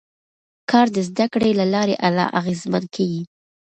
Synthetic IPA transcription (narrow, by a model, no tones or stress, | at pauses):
kʰɑɾd̪əzd̪akɽelalɑɾeʔalɑ̰ʔaɣezmankʰaɡi